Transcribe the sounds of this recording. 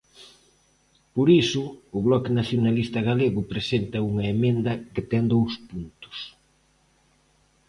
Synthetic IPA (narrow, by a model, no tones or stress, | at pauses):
poɾisʊːβlɔkenaθjonalist̪ɐɣaleɣʊpɾesent̪ɐuŋɐemẽnd̪ɐket̪ɛŋd̪owspunt̪ʊ̥s